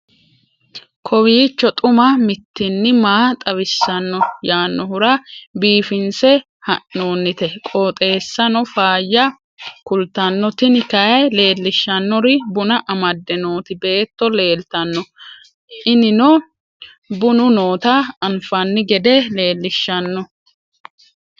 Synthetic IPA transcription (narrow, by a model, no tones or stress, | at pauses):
kʰɔwiːt͡ʃːɔt̪ʼʊmɐmɪt̪ːɪnːɪmaːt̪ʼɐwɪsːɐnːɔjaːnːɔhʊɾɐbiːfɪnsɛ | hɐʔːo̞ːnːɪt̪ɛkʼoːt̪ʼe̞ːsːɐnɔfaːjːɐ | kʊlt̪ɐnːɔt̪ɪnɪkɐjɐjle̞ːlːɪʃːɐnːɔɾɪbʊnɐʔɐmɐd̪ːɛnoːt̪ɪbe̞ːt̪ːɔle̞ːlt̪ɐnːɔ | ɪnɪnɔ | bʊnʊnoːt̪ɐɐnfɐnːɪɡɛd̪ɛle̞ːlːɪʃːɐnːɔ